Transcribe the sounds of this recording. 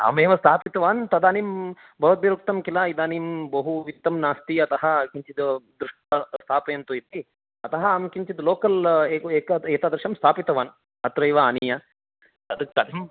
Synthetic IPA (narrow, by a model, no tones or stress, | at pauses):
a̰ːmeːʋɐst̪ʰaːpit̪ɐʋaːnt̪ɐd̪aːnim | bʱɐʋɐt̪̚ʋiɾuk̚t̪ɐmkilaid̪aːnimbɐɦuʋit̪ːɐmnaːst̪iɐt̪ɐɦɐ̆kiɲt͡ʃid̪d̪ɾuʂʈɐst̪ʰaːpɐjɐnt̪uit̪i | ɐt̪ɐɦɐaːmkiɲt͡ʃid̪loːkɐleːeːkɐeːt̪aːd̪ɾʃɐmst̪ʰaːpit̪ɐʋaːn | ɐt̪ɾɐjʋɐaːnijɐ | t̪ɐd̪ɐk̚t̪ɐd̪im